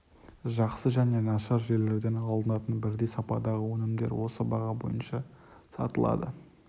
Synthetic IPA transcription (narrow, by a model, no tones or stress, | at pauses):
ʒɑqsəʒæne̞nɑʃɑɾʒe̞le̞ɾd̪e̞nɑlˠd̪ənɑt̪ənbɪɾd̪e̞jsɑpɑd̪ɑʁəwɵnɪmd̪e̞̰ɾwo̞səbɑʁɑbo̞̰jənʃɑsɑ̰t̪əlˠɑ̰d̪ə̰